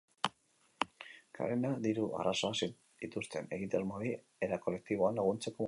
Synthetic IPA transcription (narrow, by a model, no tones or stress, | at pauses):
kʰa̰ɾenaðiɾua̰raso̞asi | it̪ust̪e̞ne̞ɣit̪ermoði | eɾako̞le̞k̚t̪iβ̞o̞anlaɣ̞unt͡se̞ko̞